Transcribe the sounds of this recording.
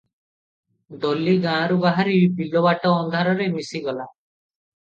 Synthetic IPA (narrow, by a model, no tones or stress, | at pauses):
d̪oliɡãːɾubaɦaɾibilɔbaʈɔːnd̪ʱaɾɔɾemisiɡɔla